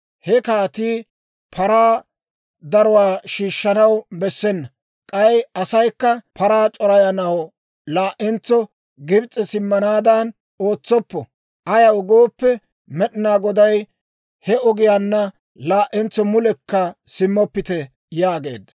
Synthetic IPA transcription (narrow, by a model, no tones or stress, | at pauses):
hɛkaːt̪iː | pʰɐɾaː | d̪ɐɾɔwaːʃiːʃːɐnɐwbɛsːɛnːɐ | kʼɐjɐsɐjkːɐpʰɐɾaːt͡ʃʼɔɾɐjɐnɐw | laːʔɛnt͡sːɔ | ɡɪbt͡sʼːɛsɪmːɐnaːd̪ɐn | o̞ːt͡sːɔpːɔ | ʔɐjɐwɡoːpːɛ | mɛɗɪnaːɡɔd̪ɐj | hɛɔɡɪjanːɐ | laːʔɛnt͡sːɔmʊlɛkːɐsɪmːɔpːɪt̪ɛ | jaːɡe̞̰ːd̪ɐ